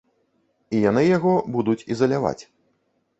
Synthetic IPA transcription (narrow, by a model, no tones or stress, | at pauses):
ijanɨjaɣɔbud̪ut͡sʲizɐlʲava̰t͡sʲ